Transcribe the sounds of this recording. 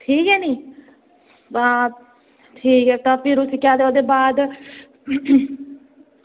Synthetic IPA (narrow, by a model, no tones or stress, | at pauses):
ʈʰiːkɦɛːniː | ba | t̪ʰiːkɦɛːt̪ãːpʰɪɾʊsikjaːd̪eoːd̪eːbaːd̪